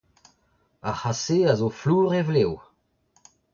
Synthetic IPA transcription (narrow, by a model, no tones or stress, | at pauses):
ahaseazofluːʁevlew